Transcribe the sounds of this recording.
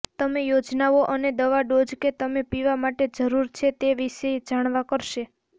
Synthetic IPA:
t̪əmejod͡ʒnaoʔəned̪əʋaɖod͡ʒket̪əmepiʋamaʈed͡ʒəɾuɾt͡ʃʰet̪eʋiʃed͡ʒaɽ̃ʋakəɾʃe

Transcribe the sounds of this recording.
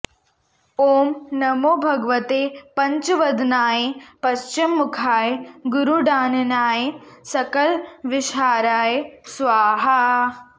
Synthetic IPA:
oːmnɐmoːbʱɐɡʋɐt̪eːpɐɲt͡ʃʋɐd̪naːjepɐʃt͡ʃimːukʰaːjeɡuɾuɖaːnɐnaːjesɐkɐlʋɪʃaːɾaːjesʋaːɦa

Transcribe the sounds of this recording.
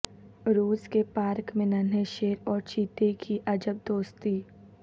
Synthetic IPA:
ɾuːskepaːɾkmẽnɐnejʃeːɾɔːɾt͡ʃiːt̪ekʰiʔɐd͡ʒəb̚d̪oːst̪iː

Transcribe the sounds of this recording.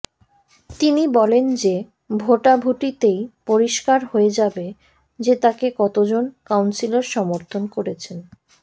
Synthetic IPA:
t̪inibɔlend͡ʑe | bʱoʈabʱuʈit̪ejpoɾiʃkaɾɦoed͡ʑabe | d͡ʑet̪akekɔt̪od͡ʑonkawnsilaɾʃɔmoɾt̪ʰonkoɾet͡ɕʰen

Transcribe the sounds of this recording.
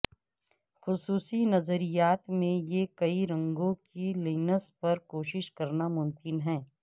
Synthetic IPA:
xʊsuːsinɐzəɾijaːt̪mẽjekɐiɾɐ̃ŋɡõkiliːnəspɐɾkoːʃɪʃkɐɾnamʊmkɪnɦɛ̃ː

